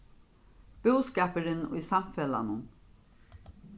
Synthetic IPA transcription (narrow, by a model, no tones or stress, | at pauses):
b̥uːskaːpəɾɪnʊ̰jsamfɛla̰nʊn